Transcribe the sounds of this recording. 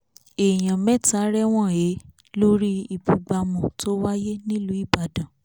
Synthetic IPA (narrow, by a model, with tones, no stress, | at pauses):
e˨j̃ã˨mɛ̃˦ta˨˦ɾɛ˦w̃ɔ̃˦˨e˨˦ | lo˦ɾi˦i˧bu˨ɡ͡ba˧mɔ̃˨to˦wa˦je˦nĩ˦lu˨˦i˦˨ba˨dã˨